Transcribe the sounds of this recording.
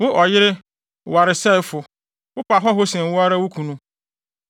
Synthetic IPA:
wʊ˦ʔɔ˨jɪ˦ɾɪ˦˨ | wa˨ɾɪ˨sɛ˦ɪ˨fʊ˨ | wʊ˦pʰa˨ɦɔ˦ɦʊ˦sɛ̃˨m˨wʊ˦a˦ɾa˦wʊ˦kʰũ˨nũ˦

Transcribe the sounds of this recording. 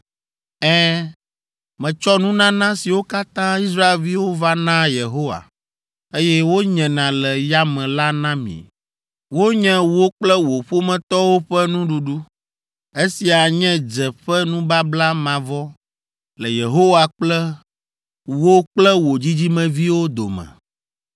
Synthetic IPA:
ɛ˦ | mɛ̃˨t͡ʃɔ˦nũ˦nã˦nã˦si˨wo˦ka˦t̪ã˦i˦s̬ɾa˦e˨lvi˦wo˦va˦nã˦je˨ɦo˦wa̰˨ | e˦jɛ˦wo˦ɲɛ̃˨nã˨lɛ˨ja˦mɛ̃˨la˦nã˦mḭ̃˨ | wo˦ɲɛ̃˦wo˦k͡plɛ˦wo˨ɸo˦mɛ̃˨t̪ɔ˦wo˦ɸɛ˦nũ˦ɖu˨ɖu˦ | e˦si˨a˨ɲɛ̃˦d͡ʒɛ˨ɸɛ˦nũ˦ba˦bla˦mã˨vɔ˦ | lɛ˨je˨ɦo˦wa˨k͡plɛ˦ | wo˦k͡plɛ˦wo˨d͡ʑi˦d͡ʑi˦mɛ̃˨vi˦wo˦d̪o̰˨mɛ̰̃˨

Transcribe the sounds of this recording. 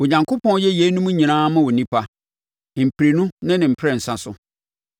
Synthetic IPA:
wo˨ɲã˨ŋkʰʊ˦pʰɔ̃˦n˦jɛ˦je˦nũ˦mũ˦ɲĩ˨nãː˦mã˦wʊ˨nĩ˦pʰa˦˨ | m̩˨pʰi˨ɾi˨nũ˦nɪ̃˦nɪ̃˨m̩˨pʰɾɛ˨n̩˨sã˨sʊ̰˨

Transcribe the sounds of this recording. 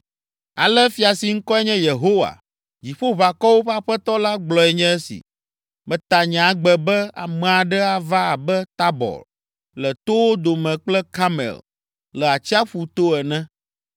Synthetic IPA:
a̰˨lɛ˦fi˨a˨si˨ŋ̩˦kɔ˦ɛ˦ɲɛ̃˦je˨ɦo˦wa̰˨ | d͡ʑi˨ɸo˦βa˨kɔ˦wo˦ɸa˦ɸɛ˦t̪ɔ˦la˦ɡ͡blɔ˨ɛ˨ɲɛ̃˦ɛ˦sḭ˨ | mɛ̃˨t̪a˨ɲɛ̃˨a˨ɡ͡bɛ˨bɛ˦a̰˨mɛ̃˨a˨ɖɛ˦a˨va˦a˨bɛ˦t̪a˦bɔ̰˨l | lɛ˨t̪o˦wo˦d̪o˨mɛ̃˨k͡plɛ˦ka˦mɛ̰˨l | lɛ˨a˨t͡ɕi˦a˦ɸu˨t̪o˦ɛ˨nɛ̃˦

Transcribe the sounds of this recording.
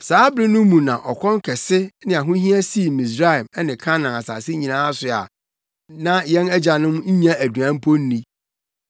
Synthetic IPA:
saː˦bɾɪ̃˦nʊ̃˦mũ˨nã˨ʔɔ˨kʰɔ̃˦ŋ˦kʰɛ˨sɪ˦nɪ̃˨a˨ɦʊ̃˦ɦĩ˦a˦si˦˨mĩ˨s̬ɾa˦˨mɛ˦nɪ̃˨kʰã˦nã˨a˨sa̰ː˨sɪ˦ɲĩ˨nãː˦a˦sʊ˨a̰˨ | nã˦jɛ̃˦næ˦d͡ʑa˨nʊ̃˦m˦ɲ̩˦ɲã˦æ˨dɥã˨˦m̩˦pʰo˦n̩˦nĩ˦

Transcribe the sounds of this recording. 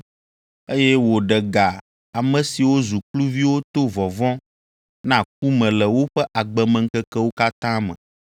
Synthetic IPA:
e˦jɛ˦wo˨ɖɛ˨ɡa˨ | a˨mɛ̃˨si˨wo˦zu˨klu˦vi˦wo˦t̪o˦vɔ˨vɔ̃˦ | nã˦k̚u˦mɛ̃˨lɛ˨wo˦ɸɛ˦ʔa˨ɡ͡bɛ˨mɛ̃˨ŋ̩˦kɛ˦kɛ˦wo˦ka˦t̪ã˦mɛ̰̃˨

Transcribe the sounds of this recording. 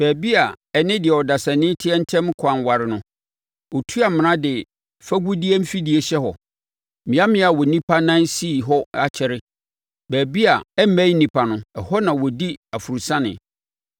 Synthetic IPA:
b̥æː˨bi˦a˨ | ɛ˨nɪ̃˦dɪ˨ɛ˨ɔ˨da˨sã˨nɪ̃˦tʰɪ˦ɛ˦n̩˦tʰɛ̃˦m˦kʷʰã˨nwa˨ɾɪ˨nʊ̃˦ | ɔ˨tʰu˦a˨m̃˨nã˦dɪ˨ | fæ˦ɡu˦di˦ɛ˦m̩˦fi˦di˨e˨ɕɛ˦hɔ̰˨ | mɪ̃˨˦a˦mɪ̃˦a˨wɔ˨nĩ˦pʰa˦nã˦n˦si˦˨ɦɔ˦a˨t͡ɕʰɛ˨ɾɪ˦ | bæː˨bi˦a˨ɛ˦mæ̃˦i˦nĩ˦pʰa˨nʊ̃˦ɛ˨hɔ˦nã˨wɔ˨di˦a˨fu˨ɾu˨sã˦nɪ̰̃˨

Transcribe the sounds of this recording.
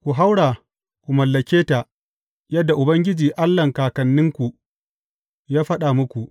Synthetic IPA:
kʷu˨ɦa˦wɽaː˨ | kʷu˨mɐ˨lːɐ˨kʲeː˦ta˨ | jɐ˦dːa˨ʔʊ˨bɐ˦ŋɡʲɪ˦d͡ʒiː˨ʔa˦lːɐ˨ŋkaː˨kɐ˨nːɪ˦ŋkʷu˨ | jaː˦ɸɐ˦ɗa˨mʊ˦kʷu˨ʔ

